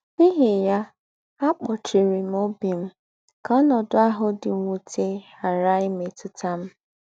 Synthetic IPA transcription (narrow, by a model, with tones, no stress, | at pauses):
i˦ɦɪ˨ja˦ | a˦k͡pɔ˨t͡ʃi˨ɾi˨m˦o˦bi˨m̩˦ | kɔ˦nɔ˨dʊ˦a˦ɦʊ˦dɪ˨ŋʷu˨tʰe˦ | a˨ɾa˦ɪ˦me˨tʊ˦ta˦m̩˦